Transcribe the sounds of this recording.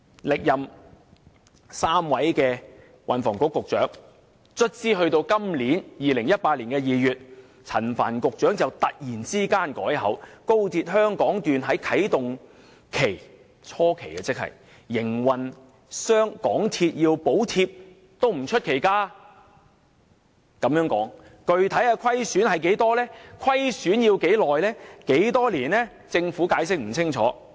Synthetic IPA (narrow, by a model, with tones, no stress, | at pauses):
lɪ˨k̚jɐ˨m | saː˥mwɐ˨˥jkɛː˧ | wʔɐ˨˩nfɔː˨˩ŋkʊ˧˥kːʊ˨k̚t͡ʃœː˨˥ŋ | t͡ʃʰɵ˥t̚t͡siː˥ɦɵ˧ɥt̪o˧wkɐ˥mliː˨˥njiː˨lɪ˨˩ŋjɐ˥t̚paː˧t̚liː˨˩nkɛː˧jiː˨˧jyː˨t̚ | t͡sʰɐ˨˩nfaː˨˩nkʊ˨k̚t͡ʃœː˨˥ŋt͡sɐ˨wt̪ɐ˨k̚jiː˨˩nt͡siː˥kaː˥nkɔː˨˥jɦɐ˨˥wko˥wt̪ʰiː˧t̚ɦœː˥ŋkɔː˨˥ŋt̪yː˨nɦɐ˨˥jkʰɐ˨˥jt̪ʊ˨ŋ | kʰe˨˩j | t͡sʰɔː˥kʰe˨˩jkɛː˧t͡sɪ˥k̚hɐ̰˨˩jː | ɪ˨˩ŋwɐ˨n | sœː˥ŋkɔ̰ː˨˥ŋt̪ʰiː˧t̚jiː˧wpo˨˥wt̪ʰiː˧p̚ | t̪o˥wm̩˨˩t͡ʃʰɵ˥t̚kʰe˨˩jkaː˥ | kɐ˨˧mjœː˧˥ŋkɔ̰ː˨˥ŋ | kɵ˨ɥt̪ʰɐ˨˥jaː˧kʷʰɐ˥jsyː˨˥nhɐ˨jke˨˥jt̪ɔː˥lɛː˥kʰɐ˥jsyː˨˥njiː˧wke˨˥jlɔː˨jlɛː˥ke˨˥jt̪ɔː˥liː˨˩nɛː˥ | t͡sɪ˧ŋfuː˨˥kaː˨˧js̬ɪ˥k̚m̩˨˩t͡sʰɪ˥ŋt͡ʃʰɔː˨˥